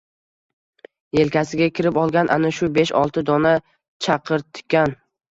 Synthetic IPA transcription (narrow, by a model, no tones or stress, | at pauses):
je̞lkʲʰasɪɡʲakʲʰɪɾɪpɒlˠɡʲanʔa̰naʃʊbe̞ʃɒ̰lˠt̪ʰɪd̪ɒna | t͡ʃʰɑqʰɨɾt̪ʰɪ̥kʲːan